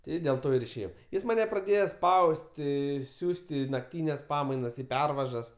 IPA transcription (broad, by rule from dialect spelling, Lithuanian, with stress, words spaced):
ˈtʲɪ dʲeːlˠ ˈtoː ɪr ɪʃʲeːˈjɛʊ ˈjɪs mɐˈnʲɛ prɐˈdʲeːjoː ˈspɐʊsʲtʲɪ ˈsʲuːsʲtʲ ˈiː nɐkˈtʲiːnʲɛs ˈpɑːmɐɪnɐs ˈiː ˈpʲɛrʋɐʒɐs